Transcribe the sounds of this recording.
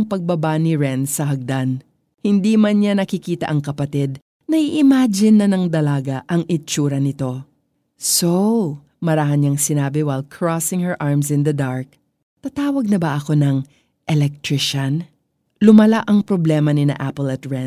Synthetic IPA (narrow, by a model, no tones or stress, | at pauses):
ŋpɐɡ̚bɐbanɪɹɛnsɐɦɐɡ̚d̪an | hɪnd̪imɐnɲanɐkɪkiːt̪ɐ̰ʔɐŋkɐpɐt̪id̪̚ | nɐʔiʔɪmaːd͡ʒɪnːɐnɐŋd̪ɐlaːɡaʔɐŋʔɪt͡ʃuːɾɐnɪt̪o̞ | sow | mɐɾaɦɐnɲɲaŋsɪnaːbɪwajlkʰɹɔsɪŋhɛɹʔaɹmsɪ̃nd̪ɐd̪aɹk̚ | t̪ɐt̪aːwɐɡ̚nɐbɐʔɐko̞nɐŋ | ʔɛlɛk̚t̪ɹɪʃɐn | lʊmɐlaʔɐŋpɾoblɛːmɐnɪna̰ʔapolɐt̪ɹɛn